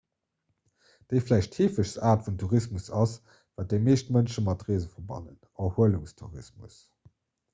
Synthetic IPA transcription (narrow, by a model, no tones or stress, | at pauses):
d̥eɪflæˑɪʃtheːfəʃsaːtfumtʰuʁismusɑs | vaːt̚deɪmeːʃtmənʃəmɑtʁeːzəfɐbɑ̰nən | ɑhuəluŋstʰṵʁḭsmṵs